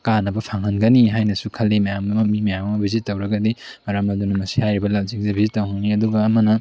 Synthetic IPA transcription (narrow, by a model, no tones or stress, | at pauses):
kanɐbɐpʰaŋɐnɡɐniɦajnɐsukʰɐlːimɐjamɡɐmɐmimɐjamɐmɐbʱizitːɐwɾɐɡɐdimɐɾamɐdunɐmɐsihajɾibɐlaw̚zik̚zebʱizitːɐwhaŋniɐduɡɐːmɐnɐ